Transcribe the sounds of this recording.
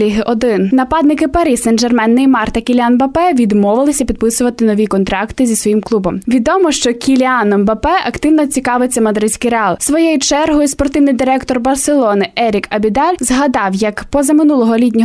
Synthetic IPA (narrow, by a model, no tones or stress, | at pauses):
iɦɪʔɔd̪ɪnnɐpɑd̪nɪkɪpɐɾisɛnd͡ʒɛrmɛnːɪjmɑrt̪ɐkʲilʲɑnbɐpɛʋʲid̪mɔʋɪlˠɪsʲɐpʲid̪̚pɪsʊʋɐt̪ɪnɔʋʲikɔnt̪ɾɑkt̪ɪzʲisʋɔjimklˠubɔmʋʲid̪ɔmɔʃt͡ʃɔkʲilʲɑnɔmbɐpɛʔɐkt̪ɪwnɔt͡sʲikɑʋɪt͡sʲːɐmɐd̪ɾɪsʲkɪjɾeɑlˠsʋɔjɛjʊt͡ʃɛrɦɔjʊspɔrt̪ɪwnɪjd̪ɪɾɛkt̪ɔrbɐrselˠɔnɪʔɛɾʲikɐbʲid̪ɑlʲzɦɐd̪ɑwjɐkpɔzɐmɪnulˠɔɦɔlʲit̪̬ʲnʲɔ